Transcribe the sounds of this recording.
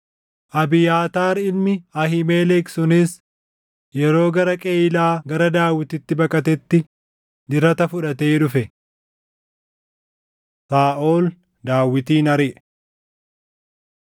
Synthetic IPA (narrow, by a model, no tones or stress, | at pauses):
ʔɐbɪjaːt̪aːɾɪlmɪɐɦɪmeːlɛksʊnɪs | jɛɾo̞ːɡɐɾɐkʼeːɪlaːɡɐɾɐd̪aːwːɪt̪ɪt̪ːɪbɐkʼɐt̪ɛt̪ːɪ | d̪ɪɾɐt̪ɐfʊᶑɐt̪eːᶑʊfɛ | saːʔoːl | d̪aːwːɪt̪iːnɐɾɪʔɛ̥